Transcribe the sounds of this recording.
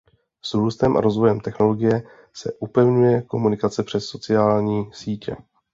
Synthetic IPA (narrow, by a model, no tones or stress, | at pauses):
sɾuːst̪ɛmʔa̰ɾo̞zvo̞jɛmt̪ɛxno̞lo̞ɡɪjɛ | sɛ̰ʔupɛvɲujɛko̞munɪkat͡sɛpr̥ɛsːo̞t͡sɪaːlɲiːsiːcɛ̰